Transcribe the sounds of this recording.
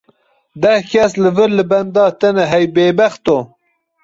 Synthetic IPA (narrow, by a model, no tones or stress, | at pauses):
d̪ɛhkʰɛslɨvɨɾlɨbɛnd̪ɑːt̪ɛnɛɦɛjbeːbɛxt̪o